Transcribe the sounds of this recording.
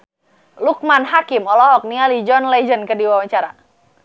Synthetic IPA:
luk̚manɦakimɔlɔɦɔk̚nialid͡ʒɔnlɛd͡ʒənkədiwawaɲt͡ʃaɾa

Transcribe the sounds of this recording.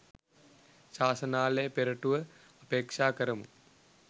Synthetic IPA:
ʃaːsɐnaːləjəpeɾɐʈuʋə | əpeːkʂaːkəɾəmṵ

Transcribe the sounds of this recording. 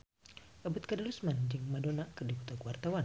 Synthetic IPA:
ʔabut̪̚kadalusmand͡ʒɨŋmadonakɨrdiput̪ɔkuwart̪awan

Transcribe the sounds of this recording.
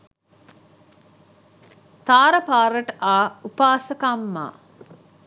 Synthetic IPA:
t̪aːɾəpaːɾəʈəʔaːupaːsəkamːa̰ː

